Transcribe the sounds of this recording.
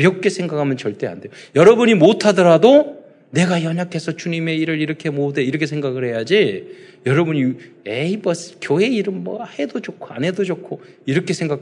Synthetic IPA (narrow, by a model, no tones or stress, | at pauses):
jʌk̚k͈e̞sʰe̞ŋɡakʰamjʌnt͡ɕʌɭt͈e̞a̰nde̞jojʌɾʌbuɲimotʰadʌɾado | ne̞ɡajʌɲakʰe̞sʰʌt͡ɕuɲime̞iɾɯɾiɾʌkʰe̞modeiɾʌkʰe̞s̬ʰe̞ŋɡaɡɯɭhe̞jad͡ʑijʌɾʌbuɲi | eibʌs͈ʰɯ̥kjoe̞iɾɯmmʌhe̞dod͡ʑokʰoa̰ne̞dod͡ʑokʰo | iɾʌkʰe̞sʰe̞ŋɡakʰ